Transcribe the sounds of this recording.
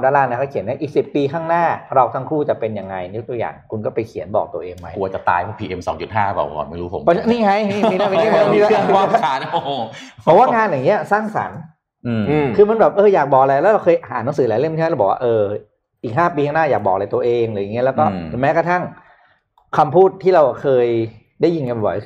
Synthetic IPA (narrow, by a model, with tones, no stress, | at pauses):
daː˦˥˩laː˧nː˧˩kʰa˥˩wkʰi˩˦nːa˦˥˩ʔiː˨˩k̚si˨˩pːiː˧kʰaː˥˩ŋnaː˥˩ɾa˧wt̪ʰa˦˥ŋkʰuː˥˩t͡ɕa˨˩pe˧nja˧ŋːa˧jn˧jo˦˥t̪u˧ja̰ː˨˩ŋkʰu˧nkɔː˥˩pa˧jkʰi˨˩˦ənbɔː˨˩k̚t̪u˧ɐʔeː˧ŋma˦˥jku˧ɐt͡ɕa˨˩t̪a̰ː˧jpʰɔː˥˩pʰiː˧ʔe˧msɔ̰ː˩˦ŋt͡ɕu˨˩t̪̚ɦaː˥˩bɛ̰ː˨˩kɔ̰ː˨˩nma˥˩jɾuː˦˥pʰo̰˩˦pɔ˧˥niː˥˩ha˦˥jniː˥˩˧i˥˩na˥˩pe˧˥i˥˩a˧˥iː˥˩˥a˧˥˩a˨˦nː˩˧˩pʰɔ˨˩waː˥˩ŋaː˧njŋi˦˥ɐsaː˥˩ŋsa̰˨˩˦n | ʔɯː˧˩m˧kʰɯː˧ma˧nbɛː˨˩p̚ʔɤː˧jaː˨˩k̚bɔː˨˩ʔla˧jlɛ˦˥wɾa˧wkʰɤː˧jʔa˧ɦa̰ː˩˦nːa˨˦ŋs̬ɯː˨˦laː˨˦jle˥˩mnʰː˥˦˥bɔː˨˩waː˥˧ʔɤː˧ | ʔiː˨˩k̚ɦaː˥˩piː˧a˥˩naː˥˩jaː˨˩k̚ɔː˨˩k̚ala˧jt̪u˧ɐʔeː˧ŋlɯː˨˩˦jaː˨˩i˦˥ɐlɛ˦˥wkɔː˥˩e˨˩˦mɛː˦˥kʰa˧t̪ʰa˥˩ŋ | kʰa˧mpʰuː˥˩t̪ʰːiː˥˩ɾa˧wkʰɤː˧j | daː˥˩jːi˧nka˧n˧˩bɔ̰˨˩j